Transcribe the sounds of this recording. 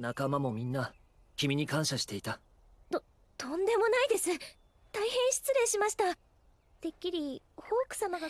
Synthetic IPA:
nakamamo̞mʲĩnːa | kʲimʲiɲ̟ikãɰ̃ɕaɕi̥t̪e̞it̪a | o | t̪õ̞nd̪e̞mo̞naid̪e̞sɨ | t̪aihẽ̞ɰ̃ɕi̥t͡sɨɾẽ̞ɰ̃ɕimaɕi̥t̪a | d̪̥e̞kʲːiɾʲi | ho̞ːkɯ̟̥samaɡa

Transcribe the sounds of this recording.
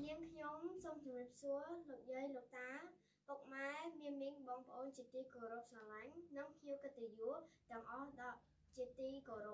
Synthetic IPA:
jɨəŋkʰɲomsoːmt͡ɕumriəp̚suəloːk̚jəːjloːk̚t̪aː | puk̚maɛmiənmiŋɓɑːŋpə̆ʔoːnt͡ɕiət̪iːkoːɾop̚sɑlaŋnɨŋpʰɲiəwkɨt̪ːejuət̪ɛ̆əŋʔɑhɗɑʔ | t͡ɕiət̪iːkoːɾop̚

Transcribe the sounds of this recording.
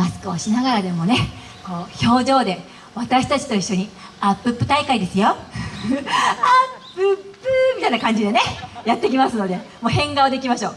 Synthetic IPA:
masɨ̥kɯoɕinaɡaɾad̪e̞mo̞ne̞ | ko̞ːço̞ːd͡ʑo̞ːd̪e̞ | βat̪aɕi̥t̪at͡ɕi̥t̪o̞iɕːoɲ̟iapːɯ̟pːɯ̟t̪aikaid̪e̞sɨjo̞ | apːɯpːɯmʲit̪ainakãɲ̟d͡ʑid̪e̞ne̞jat̪ːe̞kʲimasɨno̞d̪e̞mo̞ːhẽ̞ŋɡaod̪e̞kʲimaɕo̞ː

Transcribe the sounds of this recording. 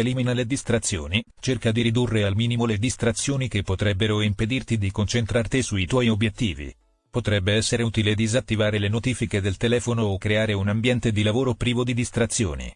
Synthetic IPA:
eliːminaled̪ist̪ɾat̪sːjo̰ːni | t͡ʃerkad̪iɾid̪urːealmiːnimoled̪ist̪ɾat̪sːjoːnikepːot̪ɾɛbːeɾoimped̪irt̪id̪ikont͡ʃent̪ɾart̪isuit̪wɔjiobjet̪ːḭːvḭ | pot̪ɾɛbːeɛsːeɾeuːt̪iled̪izat̪ːivaːɾelenot̪iːfiked̪elt̪elɛːfonoːkːɾeaːɾeunambjɛnt̪ed̪ilavoːɾopɾiːvod̪id̪ist̪ɾat̪sːjo̰ːnḭ

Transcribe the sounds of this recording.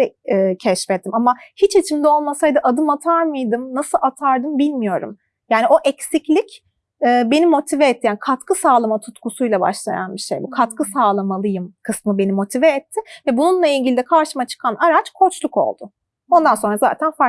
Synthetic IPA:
ɛːcʰɛʃfɛt̪ʰːimamahit͡ʃit͡ʃʰimd̪ɛo̞lˠmasajd̪ɯʔad̪ɯmat̪ʰaɾmɯjd̪ɯmnasɯlˠat̪ʰaɾd̪ɯmbilʲmijo̞ɾṵm | jaːnio̞ʔɛcsiclʲic | ɛːbe̞nimo̞t̪ʰivɛɛt̪ʰːijaːnikʰat̪kʰɯsaːlˠamat̪ʰut̪kusujlˠaba̰ʃlˠa̰ja̰nbiʃejbukʰat̪kʰɯsaːlˠamalˠɯjɯmkʰɯsmɯbe̞nimo̞t̪ʰivɛːt̪ʰːɪvɛbununlˠailʲɟʲilʲid̪ɛkʰaɾʃɯmat͡ʃʰɯ̥kʰanaɾat͡ʃkʰo̞t͡ʃlˠuko̞̰lˠd̪ʊ | o̞nd̪anso̞nɾaza̰ːt̪ʰænfa

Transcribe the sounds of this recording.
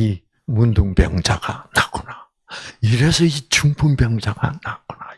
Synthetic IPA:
i | munduŋpjʌŋd͡ʑaɡa̰nakʰona | iɾesʰʌit͡ɕuŋpʰumbjʌŋd͡ʑaɡa̰nako̥na

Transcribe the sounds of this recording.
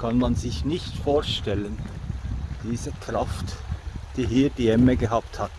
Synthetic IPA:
kʰanmanzɪçnɪçtfoːɐʃtɛlən | d̥iːzəkʁ̥aftd̥iːɦiːd̥iːɛməɡəɦaːpthat

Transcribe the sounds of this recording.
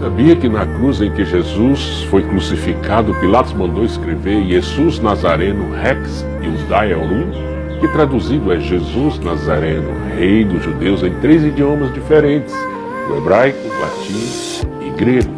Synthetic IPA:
sabiɐkɪnɐkɾuzẽj̃kɪʒezus | fojkɾusifikʰad̪ʊpilat̪ʊzmɐ̃nd̪owɪskɾeveɾʒezuznazaɾẽnʊhɛks | ɪ̰ʊzd̪aɛɾũ | kɪt̪ɾad̪uzid̪ʊɛʒezuznazaɾẽnʊ̰ | hejd̪ʊʒud̪ewzẽj̃t̪ɾejzid͡ʒiõmɐzd͡ʒifeɾẽnt͡ʃɪ̥s | ḛbɾajkʊla̰t͡ʃĩ | ɪɡɾeɡʊ

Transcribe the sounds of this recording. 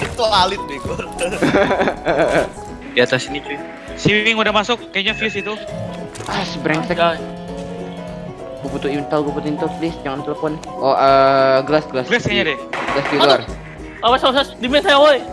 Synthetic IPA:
it̪ualɪt̪̚bikʊ | diat̪asinit͡ʃu | siwɪŋudahmasʊkːajaɲafiusit̪u | asəbɾɛŋsɛa | buput̪uint̪əlbuput̪uint̪əlplisd͡ʒaŋant̪ɛləfɔn | oʔəɡəlasɡəlasaskaɲadɛɡəlasdiluar | awasasɛsdimɛsajawoj

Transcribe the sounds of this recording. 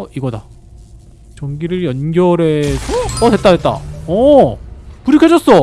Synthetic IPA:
ʌiɡʌda | t͡ɕʌŋɡiɾɯɾjʌnɡjʌɾe̞sʰʌʌtet͈̚aet̚t͈a̰ʌ | puɾikʰjʌd͡ʑʌs͈ʌ

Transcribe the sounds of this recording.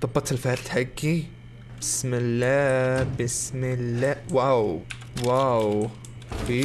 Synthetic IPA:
t̪ˤɑbːɑt̪ɪlfaɾd̪ħaɡːi | bɪsmɪlːabɪsmɪlːawaw | waw | bi

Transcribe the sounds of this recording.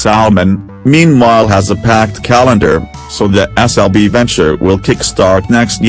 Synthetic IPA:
sælˠəmɨ̃n | mĩnwaɪlˠəzəpʰæk̚tkʰælˠə̃ndə̰˞ | soʊðiɛsɛlˠbivɛ̃nt͡ʃə̰˞wʔɪlˠkʰɪkstɑɹtnɛkst̚

